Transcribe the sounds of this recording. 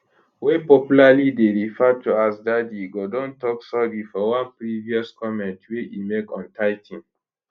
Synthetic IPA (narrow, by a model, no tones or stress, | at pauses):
wepɔpjulalideɹifɛtuasdadiɡodɔ̃ntɔksɔdifɔwãnpɹiviɔskʰɔmɛ̃ntweʔimekɔ̃ntʰaɪtʰĩn